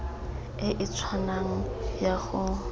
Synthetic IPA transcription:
ɪʔɪt͡sʰwanaŋ̩jaχʊ

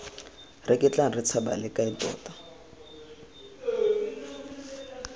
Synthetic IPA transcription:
rɪkʼɪt͡ɬʼaŋ̩rɪt͡sʰaba̰lɪkʼaɪtɔ̰ːtḁ

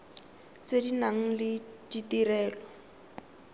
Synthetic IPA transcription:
t͡sedinaŋ̩lɪditirɛːlɔ

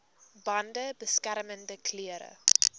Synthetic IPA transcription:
bɐndəbəskæɾəməndəkʰliəɾə̰

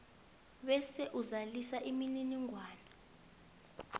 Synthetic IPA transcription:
ɓɛsɛʔuzalisaʔimininiŋʱwaːnɔ

